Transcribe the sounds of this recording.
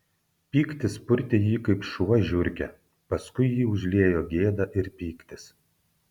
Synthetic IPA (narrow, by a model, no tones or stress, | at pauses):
pʲiːkt̪ʲɪspʊɾʲt̪ʲɪjiːkɐɪpʃuɔʒʲʊɾʲkʲɛ | pɐskʊɪjiːʊʒʲlʲeːjoːɡʲeːd̪ɐʔɪɾpʲiːkt̪ʲɪs